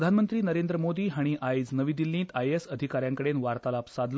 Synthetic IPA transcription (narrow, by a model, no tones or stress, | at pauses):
d̪ʱanmənt̪ɾiːnəɾend̪ɾəmod̪iːɦaɽ̃iʔajd͡znəʋiːd̪ilːĩːt̪ajesəd̪ʱikaɾjãŋkəɽenʋaɾt̪alapsad̪ʱl